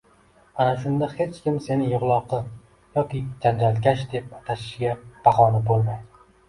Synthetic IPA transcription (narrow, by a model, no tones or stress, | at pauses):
anaʃ̬ʊnd̪ahe̞t͡ʃkʲɪmse̞nɪjʊʁlˠɒqʰɨ | jɒkʲɪd͡ʒand͡ʒalt̪kʲaʃd̪e̞p̚at̪ʰaʃɪ̥ʃɡʲab̥aχɒnɪbolˠma